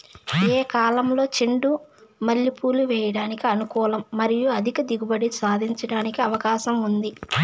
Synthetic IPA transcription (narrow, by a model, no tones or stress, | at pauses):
eːkaːlɐmlo̞ːt͡ʃiɳɖumɐlːipuːluʋɛːjɐɽaːnikiɐnukɔːlɐmːɐɾijuɐd̪ʱikɐd̪iɡubɐɽisaːd̪ʱiɲt͡ʃɐɽaːnikiɐʋɐkaːʃɐmund̪i